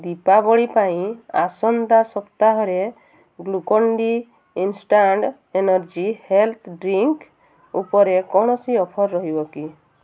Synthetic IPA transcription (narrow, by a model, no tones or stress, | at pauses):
d̪ipabɔɽipaĩasɔnd̪asɔpt̪aɦɔɾe | ɡlukɔɳɖi | insʈaɳɖ | enɔɾd͡ʒihelt̪ʰɖɾiŋk | upɔɾekɔɽ̃ɔsiɔpʰɔɾːɔɦibɔki